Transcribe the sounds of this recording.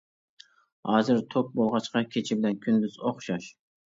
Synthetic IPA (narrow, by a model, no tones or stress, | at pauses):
hɑːzɨɾt̪ʰop̚bolˠʁɑt͡ʃqɑkʲʰet͡ʃʰibɪlɛnkʲʰynd̪yzoχʃɑʃ